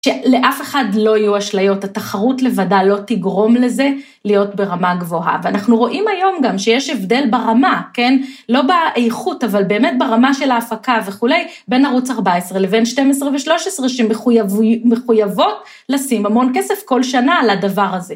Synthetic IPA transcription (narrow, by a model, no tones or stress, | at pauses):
ʃele̞ʔafe̞χadlo̞ajuaʃlajo̞tataχaʁutle̞vadalo̞tiɡʁo̞mle̞ze̞ | lijo̞tbe̞ʁamaɡvo̞ɦa̰veanaχnuʁo̞ʔimajo̞mɡamʃejeʃevde̞lbaʁamakenlo̞baʔejχutavalbe̞ːme̞t̚beʁamaʃe̞laːfakave̞χule̞jbe̞naʁut͡saʁbaesʁele̞be̞nʃte̞mesʁeveʃlo̞ʃesʁeʃemeujavmeχujavo̞t | lasimhamo̞nkesefko̞lʃanaladavaʁaze